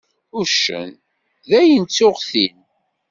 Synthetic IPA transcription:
ʊɾʃə̰n | ðæjənt͡sːʊʁθin

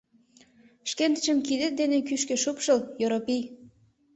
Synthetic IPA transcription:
ʃkent̪ə̥t͡ɕə̆mkid̪ə̆t̪̚d̪enekyʃkĕʃupʃəljoɾopij

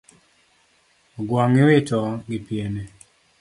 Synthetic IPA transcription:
ɡwaŋɪwɪtɔɡɪpjene

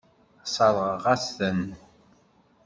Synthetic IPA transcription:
sˤɑðˤʁʁæsθən

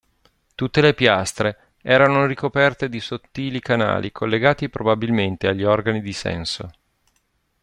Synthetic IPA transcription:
t̪ut̪ːelepjast̪ɾe | ɛːɾanorikopɛrt̪ed̪isot̪ːiːlikana̰ːlikʰolːeɡaːt̪ipɾobabilment̪eaʎːiɔrɡanid̪isɛ̰nso

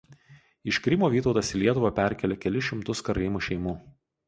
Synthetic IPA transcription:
ɪʃkɾʲɪmoːʋʲiːt̪ɒʊt̪ɐsɪlʲiɛt̪ʊʋɐpʲɛˑɾʲkʲɛlʲɛkʲɛlʲɪʃʲɪmt̪ʊskɐɾɐɪmuːʃʲɛɪmuː

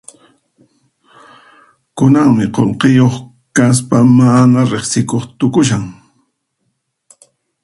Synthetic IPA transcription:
kʊnaŋmɪqolqejoχ | kas̬pamanaɾeχsɪkoχt̪ʊkʊʃ̬aŋ

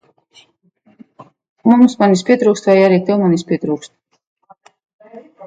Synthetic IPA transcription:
mumsmanis̬pʲit̪ɾuːkst̪vajaɾik̚t̪ɛwmanispʲit̪ɾuːkst̪

